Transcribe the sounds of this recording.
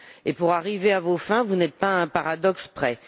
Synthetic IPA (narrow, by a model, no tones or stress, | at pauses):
epuʁaʁiveavofɛ̃vunɛt̪̚paɛ̃paʁad̪ɔkspχɛ